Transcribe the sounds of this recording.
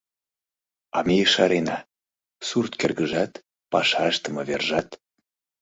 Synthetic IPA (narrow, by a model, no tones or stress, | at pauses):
ɑ̰mejəʃɑɾenɑ | surt̪kerɣəʒɑt̪ | pɑʃɑʃt̪ə̆mɤβerʒɑt̪